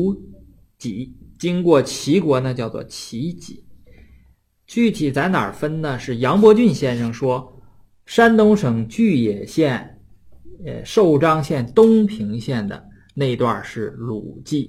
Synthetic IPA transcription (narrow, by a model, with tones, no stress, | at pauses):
t͡ɕi˧˥t͡ɕi˥ŋkwɔ˥˩t͡ɕʰi˧˥kwɔ˧˥nə˧t͡ɕjɑ˥˧ʊt͡swɔ̰˥˩t͡ɕʰi˧˥t͡ɕi˨˩˦ | t͡ɕy˥˩t̪ʰi˨˩t͡sa˧˥ɪna̰˨˩fə˥nnə˨ʂɻ̩˥˩jɑ˧˥ŋp̬wɔ˧˥t͡ɕy˥˧nɕjɛ˥nʂɤ˥˩ŋʂwɔ˥ | ʂa˥nt̪ʊ˥ŋʂɤ˨˩ŋt͡ɕy˥˩jɛ˨˩ɕjɛ˥˩n̰˧ | ʂo˥˩ʊʈ͡ʂɑ˥ŋɕjɛ˥˩nt̪ʊ˥ŋpʰi˧˥ŋɕjɛ˥˩nd̪ə̰˩ | ne˥˧ɪ˧t̪wa̰˥˧˩ʂɻ̩˥˩lṵ˨˩t͡ɕi˥˩